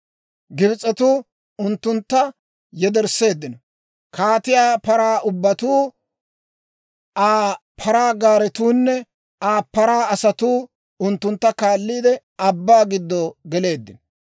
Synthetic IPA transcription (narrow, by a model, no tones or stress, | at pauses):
ɡɪbɪt͡sʼːɛt̪uː | ʊnt̪ːʊnt̪ːɐ | jɛd̪ɛɾsːe̞ːd̪ːɪnɔ | kʰaːt̪ɪjaːpɐɾaːʔʊbːɐt̪uː | aː | pʰɐɾaːɡaːɾɛt̪uːnːɛ | aːpːɐɾaːɐsɐt̪uː | ʊnt̪ːʊnt̪ːɐkaːlːiːd̪ɛ | ɐbːaːɡɪd̪ːɔɡɛle̞ːd̪ːɪnɔ